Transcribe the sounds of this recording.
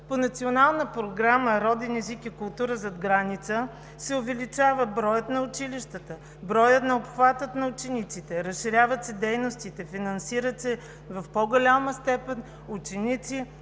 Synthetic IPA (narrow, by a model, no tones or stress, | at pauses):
ponɐt̪sionalˠnəpɾoɡɾaməɾɔd̪ɛnɛzikikʊlˠt̪uɾəzɐd̪ɡɾanit̪sə | sɛʊvɛlit͡ʃavəbɾɔjət̪nɐʊt͡ʃiliʃt̪ət̪ə | bɾɔjət̪nɐopxvat̪ət̪nɐʊt͡ʃɛnit̪sit̪ɛɾɐsʃiɾʲjavət̪sɛd̪ɛjnost̪it̪ɛfinɐnsiɾət̪sɛ | vɐfpoɡolʲaməst̪ɛpɛn | ʊt͡ʃɛnit̪si